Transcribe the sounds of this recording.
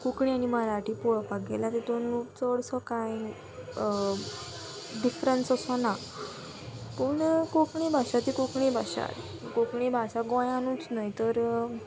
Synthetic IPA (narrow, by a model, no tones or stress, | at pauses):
kukɳianiməɾaʈʰipɔɭpaɡelat̪et̪onut͡sɔɽsɔkãj | ɖifɾənsəsɔna | puɳkokɳibʱaɕat̪ikokɳibʱaɕa̰t̪ | kokɳibʱasaɡɔ̃janut͡snəjt̪əɾ